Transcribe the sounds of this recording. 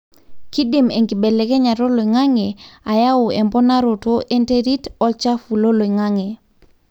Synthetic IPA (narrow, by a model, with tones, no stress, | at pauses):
ki˦di˨me˨ŋɡi˨be˨le˨kɛ˦ɲa˨ɾo˦lo˨i˨ŋa˦ŋe˨a˨ja˦ʊ˨ɛ˨mbɔ˦na˦ɾo˨to˦ʔe˦nte˦ɾi˦tɔ˦lt͡ʃa˦fu˨lo˦lo˨i˨ŋa˦ŋe˨